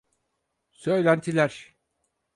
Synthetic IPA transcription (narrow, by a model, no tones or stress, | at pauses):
sø̞jlʲænt̪ʰilʲæɾ̥